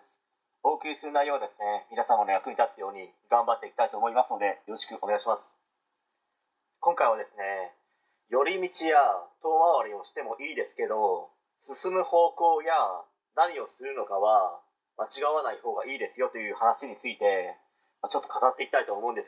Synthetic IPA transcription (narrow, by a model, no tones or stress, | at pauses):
o̞ːkɯ̟ɾʲisɨnaijo̞ːd̪e̞sɨne̞mʲinasãmːonajakɯ̟ɲ̟it̪at͡sɨjo̞ːɲ̟i | ɡãmbat̪ːe̞ikʲit̪ait̪o̞ːmo̞imasɨno̞d̪e̞joɾo̞ɕi̥kɯ̟ʔoneɡaɕimasɨ̥ | kõ̞ŋkaiβad̪e̞sɨne̞ | jo̞ɾʲimʲit͡ɕijat̪o̞ːβaβaɾʲio̞ɕi̥t̪e̞mo̞ʔiːd̪e̞sɨ̥ke̞d̪o̞ | sɨsɨmɯ̟ho̞ːko̞ːja | naɲ̟io̞sɨɾɯ̟no̞kaβa | mat͡ɕiɡaβanaiho̞ːɡaiːd̪e̞sɨjo̞t̪o̞jɯ̟ːhanaɕiɲ̟it͡sɨit̪e̞ | mat͡ɕo̞t̪ːo̞kat̪at̪ːe̞iːkʲit̪ait̪oːmoɯ̃nd̪es